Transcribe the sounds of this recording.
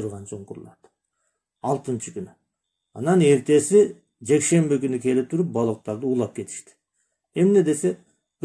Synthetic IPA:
ʊɾʁɑnsoɴqʰʊɾlˠɑd̪̥ | ɑlˠt̪ənt͡ʃəkʲyny | ɑ̰nɑne̞ɾt̪e̞sɪ | d͡ʒe̞kʃe̞mbɪkʲynykʲʰe̞lɪp̚t̪ʰʊɾp̚bɑlˠəq̚t̪ɑɾd̪əuːlˠɑp̚kʲʰe̞t̪ɪ̥ʃt̪ɪ̥ | e̞mne̞d̪e̞se̞ | b̥

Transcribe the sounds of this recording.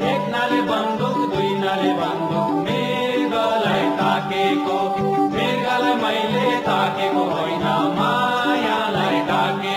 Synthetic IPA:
eknalebənd̪ʱukd̪uinalebənd̪ukme | ɡələjt̪akeko | meɡaleməɦilet̪akekoɦoinama | jãləeʈake

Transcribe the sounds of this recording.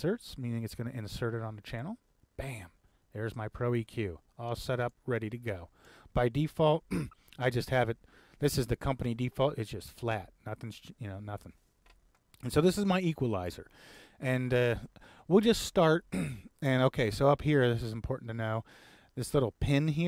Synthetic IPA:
sɜ˞tsmĩnɪ̃ŋɨtsɡ̥ʌnɨʔɨ̃nsɜ˞ɾɨɾn̩ðɨt͡ʃʰænl̩ˠ | b̥æ̃m | ðə˞zmaɪpʰɹ̥oʊikʰj̥ʉ | aɪlˠsɛɾʌp̚ɹɛɾiɾɨɡoʊ | b̥aɪdifɔlˠt̚aɪd͡ʒʌst̚hɨvɨt̪̚ | ðɪsɨzðɨkʰʌ̃mpənidifɔlˠtɨtsd̥ʒ̥ʌstflæt̚nʌθɪ̃ŋzjɨnoʊnʌθɪ̃ŋ̃ | n̩soʊðɪsɨzmaɪikwəlaɪzə̰˞ɨ̃nʌ | wilˠd͡ʒʌststɑɹt̚ɨ̃noʊkʰeɪsoʊʌphiɹðɪsɨz̃m̩pʰɔɹʔn̩tʰɨnoʊ | ðɪslɪɾl̩ˠpʰɪ̃nɦi

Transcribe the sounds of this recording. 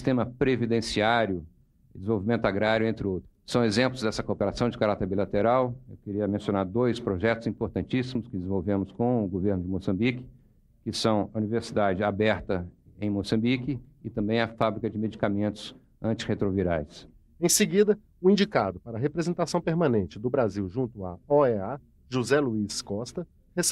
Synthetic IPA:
st̪ẽmɐpɾevid̪ẽsiaɾjʊ | d̪ez̃vowvimẽnt̪ʊaɡɾaɾjʊẽnt̪ɾɪowt̪ɾʊsːɐ̃w̃ezẽmplʊzd̪ɛsɐkopeɾasɐ̃w̃d͡ʒɪkaɾat̪eɾbilat̪eɾawewkeɾiɐmẽsjõnaɾd̪ojspɾoʒɛt̪ʊz̥ĩpoɾt̪ɐ̃nt͡ʃisimʊskɪd͡ʒɪzĩvowvẽmʊskõʊɡoveɾnʊd͡ʒɪmosɐ̃mbikɪ̥ | kɪsɐ̃w̃ɐuniveɾsid̪ad͡ʒɪabɛɾt̪ɐẽj̃mosɐ̃mbikɪːt̪ɐ̃mbẽj̃ɐfabɾikɐd͡ʒɪmed͡ʒikamẽnt̪ʊ̥s | ɐ̃nt͡ʃɪ̥het̪ɾoviɾajs | ẽj̃sɪɡid̪ɐ | ʊĩnd͡ʒikad̪ʊpaɾɐɦepɾezẽnt̪asɐ̃w̃peɾmɐ̃nẽnt͡ʃɪd̪ʊbɾaziwʒũnt̪ʊa̰ɔɛa | ʒuzɛluiskɔst̪ɐ | hes

